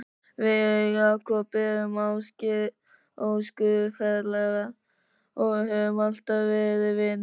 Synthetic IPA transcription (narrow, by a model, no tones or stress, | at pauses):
vɪɣakʰɔpɪhɛʏmawscɪ | owskʏðʏfɛðlɛɣa | ɔɣɦɛvʏmal̥t̪aðvɛːɾɪvɪn